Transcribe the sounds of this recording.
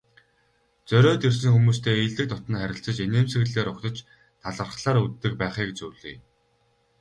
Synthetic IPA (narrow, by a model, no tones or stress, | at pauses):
t͡sœɾʲɔːt̪irs̬ɘ̆ŋxumuːst̪ʰeːiɮt̪ɘ̆kt̪ʊt̪ə̆nχæɾʲɪ̆ɬt͡sə̆t͡ɕeneːmsɘ̆ɣɮeːɾʊkt̪ɞ̆t͡ɕ | t̪ʰaɮə̆rχɮaːɾut̪ːɘ̆k̚pæːχiːket͡ɕuːɮḭː